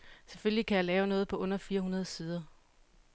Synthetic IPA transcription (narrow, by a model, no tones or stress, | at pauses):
seføllikʰæjɑ̈lɛːʊnɔ̽ːð̞̩ˠpʰɒ̽ʔɔ̽n̰ɐfiːɐɦunɐð̞̩ˠsiːð̞ˠɐ